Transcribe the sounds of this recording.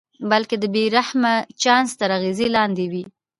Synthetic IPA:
balked̪əbeɾahmat͡ʃɑnst̪əɾaɣezilɑnd̪ewi

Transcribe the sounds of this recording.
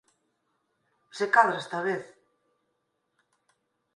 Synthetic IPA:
sekaðɾest̪aβeθ

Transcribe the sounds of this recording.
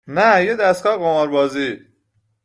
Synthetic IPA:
næjed̪æstkɒːɣomɒɾbɒːzi

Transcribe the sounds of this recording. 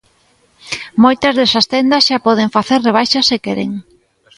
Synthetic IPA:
mojt̪ɐzðesɐst̪end̪ɐsʃapɔð̞eɱfaθeɾreβ̞ajʃɐsːɪkeɾḛŋ

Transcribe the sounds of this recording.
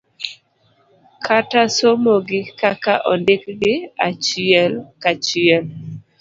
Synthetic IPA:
kʰatasomoɡɪkakaʔɔndɪkɡɪat͡ʃɪɛlkat͡ʃɪɛl

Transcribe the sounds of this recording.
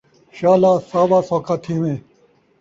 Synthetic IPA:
ɕaːlaːsaːbaːsoːkʰat̪ʰiːmeː

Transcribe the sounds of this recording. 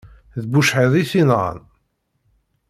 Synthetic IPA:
ðbuʃħəðˤiθinʁə̰n

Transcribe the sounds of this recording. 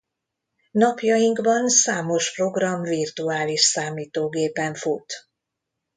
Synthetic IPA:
nɒpjɒjiŋɡbɒnsaːmo̞ʃpro̞ɡrɒmvirt̪uaːliʃsaːmiːt̪oːɡeːpɛɱfut̪

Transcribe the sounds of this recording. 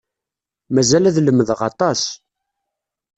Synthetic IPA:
mæzælæðləmːəðʁɑ̰t̪ˤɑs

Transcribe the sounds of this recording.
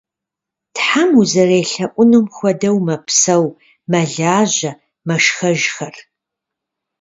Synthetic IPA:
tħamuzɐreːɬɐʔʷʼʊnɨmxʷɔdɐwmɐpʰsɐw | mɐɮaːʑɐ | mɐʃxɐʒxɐr

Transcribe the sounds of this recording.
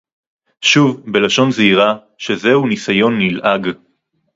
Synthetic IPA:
ʃuvbe̞laʃo̞nzeiʁa | ʃe̞zeunisajo̞nːilʔaɡ

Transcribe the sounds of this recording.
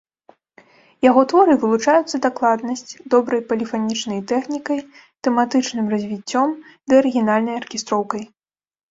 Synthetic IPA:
jaɣɔt̪vɔɾɨvɨlˠut͡ʂajut̪sːɐd̪aklˠad̪nɐsʲt͡sʲd̪ɔbɾɐjpɐlʲifanʲit͡ʂnɐjt̪ɛxnʲikɐj | t̪ɛmat̪ɨt͡ʂnɨmrɐzʲvʲit͡sʲːɔmd̪ɨɐɾɨɣʲinalʲnɐjɐrkʲɛst̪ɾɔwkɐj

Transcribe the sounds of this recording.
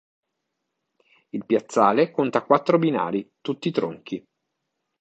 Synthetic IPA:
ilpjat̪sːaːlekont̪akwat̪ːɾobina̰ːɾit̪ut̪ːit̪ɾoŋk̟i

